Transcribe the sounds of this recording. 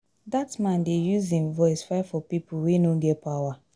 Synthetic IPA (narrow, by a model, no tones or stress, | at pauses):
datmãndejuzĩnvɔɪsfaɪfɔpipuwenoɡɛtpawa